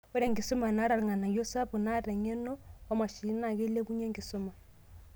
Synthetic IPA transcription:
o˦ɾa˨ŋɡi˨su˦ma˨na˨˦ɾa˨ɾŋa˨na˨jo˦sa˦bu˨na˦ɾɛ˨ŋe˦no˦wa˦mwa˨ʃi˨˦na˨ke˦le˦ku˦ɲe˦ŋɡi˨so˦ma˨

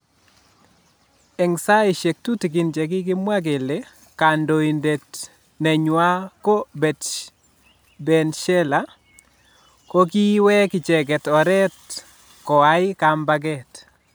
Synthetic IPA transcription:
ɛ˨ŋsa˦e˨ʃe˨k̚tu˦ti˨ɡɪ˨nd͡ʒɛ˨ɡɪ˦ɡɪ˦mwa˦ɡe˨le | ka˨ndo˨i˨nde˨t | nɛ˨ɲwa˦ko˦bɛ˨t | bɛ˨nʃɛ˦la˨ | ko˦ki˦wɛ˦kɪ˨t͡ʃɛ˨ɡɛ˨tɔ˨ɾɛ˦t | kɔ˨a˦ɪ˦ka˨mba˦ɡɛ˦t

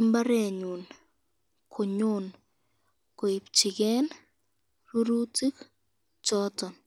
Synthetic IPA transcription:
mba˦ɾɛ˨ɲu˨n | kʰo˨ɲon | ko˨i˨p̚t͡ʃi˨ɡɛ˦n | ru˦ɾu˦ti˦k | t͡ʃɔ˦tɔ˨n

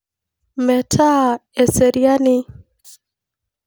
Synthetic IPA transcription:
mɛ˨tʰa˦ɛ˨sɛ˨ɾia˦ni˦

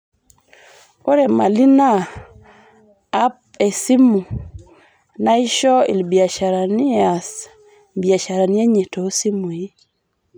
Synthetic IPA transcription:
o˦ɾe˨ma˨li˦na˦ | p̚ | e˨si˦mu˨ | na˦i˦ʃɔ˦ḭ˨lbja˨ʃa˨ɾa˨ni˦a˨s | bi˨a˨ʃa˨ɾa˨ni˦a˦ɲe˨to˨˦si˦mu˨i˦

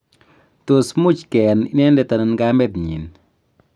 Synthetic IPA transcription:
to˨smu˦t͡ʃkɛ˨ni˨˦nɛ˦ndɛ˨ta˨na˨nɡa˦mɛ˦t̪ɲḭ˨n

